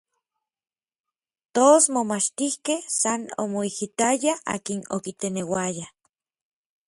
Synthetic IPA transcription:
t̪oːsmomat͡ʃt̪ihkehsano̰moihit̪ajaa̰ːkino̰kit̪enewaja

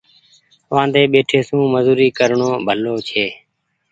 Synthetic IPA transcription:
ʋãːd̪eːɓeːʈʰeːsũːməzuːɾiːkəɾɳoːbʱəloːt͡ʃʰeː

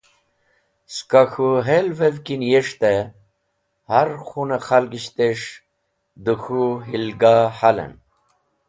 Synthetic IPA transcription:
skaxuɦelvevkinjeʂt̪e | haɾxunaxalɡiɕt̪eʂ | d̪uxuɦilɡahalḛn

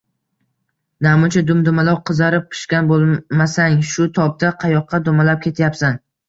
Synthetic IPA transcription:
namʊt͡ʃʰad̪ʊmd̪ʊmalɒwqʰɨzaɾɪp̚pʰɪ̥ʃkʲanbolˠmasaŋʃʊt̪ʰɒp̚d̪aqʰɑjɒqʰːɑd̪omalap̚kʲʰe̞t̪ʰjapsan

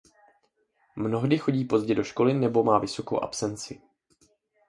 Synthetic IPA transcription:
mno̞ɦdɪxo̞ɟiːpo̞zɟɛdo̞ʃko̞lɪnɛbo̞maːvɪso̞ko̞̰wʔa̰psɛnt͡sɪ

